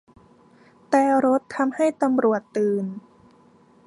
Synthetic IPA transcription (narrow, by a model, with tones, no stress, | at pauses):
t̪ɛː˨˩ɾo˦˥t̪ʰːa˧mha˥˩jt̪a˧mɾu˨˩ət̪ːɯː˨˩n